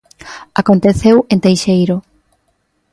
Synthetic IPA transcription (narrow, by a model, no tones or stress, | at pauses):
akont̪eθewent̪ejʃejɾʊ